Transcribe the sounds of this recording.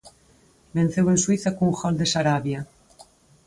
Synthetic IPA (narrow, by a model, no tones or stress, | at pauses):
ben̟θewenswiθakuŋxɔld̪esaɾaβja